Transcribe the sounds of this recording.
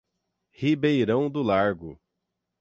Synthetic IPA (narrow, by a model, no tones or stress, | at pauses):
hibejɾɐ̃w̃d̪ʊlaɾɡʊ